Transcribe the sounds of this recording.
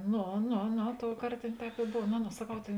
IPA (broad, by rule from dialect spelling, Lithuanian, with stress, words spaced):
ˈnoː ˈnoː ˈnoː ˈtoːʊˌkɐrt ˈtʲeːn ˈtʲɛːp ɪ ˈboːw noː noː sɐˈkɐʊ ˈtʲeːn